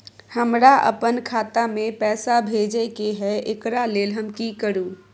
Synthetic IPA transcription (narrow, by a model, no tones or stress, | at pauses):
həmɾaʔə̰pənkʰaːt̪amẽpɛːsabʱeːd͡ʒekeɦɛʔɪkɾaleːlɦəmkikəɾuː